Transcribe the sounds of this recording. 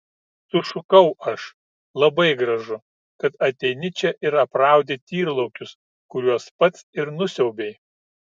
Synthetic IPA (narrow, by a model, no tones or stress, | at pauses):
t̪ʊʃʊkɐʊɐʃ | lˠɐbɐɪɡɾɐʒʊ | kɐt̪ɐt̪ʲɛɪnʲɪt͡ʃʲɛʔɪɾɐpɾɑˑʊd̪ʲet̪ʲiːɾlˠɐʊkʲʊs | kʊɾʲuɔspɐt̪sɪɾnʊsʲɛʊbʲeɪ